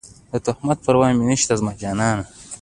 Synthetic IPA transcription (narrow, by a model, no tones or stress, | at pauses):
d̪ət̪ʊhmat̪̚pɐɾwɑːminəʃt̪azmad͡ʒɑːnɑːna